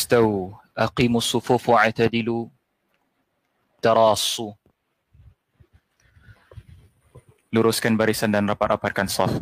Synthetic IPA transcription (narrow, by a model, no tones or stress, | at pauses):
t̪aw | ʔaqiːmʊsˤːʊfufwaʕt̪ad̪ɪlu | t̪ɑɾˤɑːsu | luɾʊskanbaɾisandanrapaɾʔaparkansɑ̰f